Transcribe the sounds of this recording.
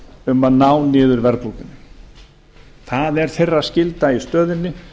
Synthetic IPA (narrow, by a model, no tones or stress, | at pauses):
ʏmanaːwnɪːðʏɾvɛɾplowkʏnːɪ | θaðɛɾ̥θejrːascɪlt̪aist̪œːðɪnːɪ